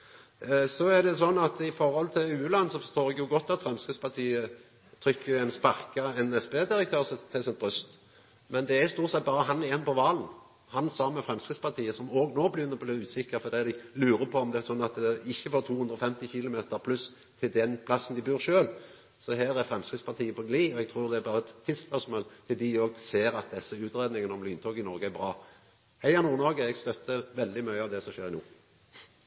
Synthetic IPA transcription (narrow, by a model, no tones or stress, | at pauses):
sɔæd̪ɛsɔnːɑt̪ɪfɔɾɔlt̪ʰɪlʉːʉlɑnːəsɔfɔst̪oːɾɛɡjʊɡɔt̪ːɑt̪fɾɛmskɾəd̪spɑʁt̪ʰiːə | t̪ʰɾʏkːəʊɛɪnspɑʁkɑɛnɛsbeːd̪ɪɾəkt̪ʰøːɾst̪ʰɪlsɛnt̪̚bʁʉst̪ | mɛnd̪ɛæst̪uːʁt̪sɛt̪̚bɑːɾəɦɑnɛeːnpɔʋɑːln | hɑnsɑmːəfɾɛmskʁəd̪spɑt̪ʰiːəsɔmoːɡnoːbəlɪjʏnːəbɔbliːʉːsɪkːəɾfɔɾd̪iːd̪ɪlʉːɾəpʰɔɔmd̪ɛæsɔnːɑt̪ɛɪçːəfoːɾt̪ʰuːhʉnd̪ɾɔfɛmt̪ɪçɪlʊmeːt̪əɾpʰlʉs | t̪ʰɪld̪ɛnpʰlɑsːnd̪ɪbʉːɾʃøːl | sɔɦæːɾæɾfʁɛmskɾɪt̪spʰɑʁt̪ʰiːəpʰɔɡliːɔɛɡ̚t̪ʰɾuːɾd̪ɛæbɑːʁəɛt̪ʰːɪd̪spœʂsmoːlt̪ʰɪld̪ɪoːɡseːɾɑt̪̚d̪ɛsːəʉːt̪ɾeːd̪nɪŋənɔmlyːnt̪ʰoːɡɪnɔɾɡəæɾbɾɑː | hæɪɑnuːɾnɔɾɡəɛɡst̪œt̪ːəʋɛld̪ɪmœʏəɑʋd̪ɛsɔʃeːɾɪnuː